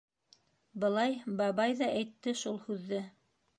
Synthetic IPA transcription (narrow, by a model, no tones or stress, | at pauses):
bɤ̆lˠɑjbɑβɑjðɑʔæjt̪ːɘʃulˠhʉðːɘ